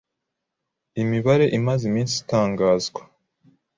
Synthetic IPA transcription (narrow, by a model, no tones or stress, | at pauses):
imiβaɾe̞ʔimazimiːnsi̥taːŋɡaːzɡwḁ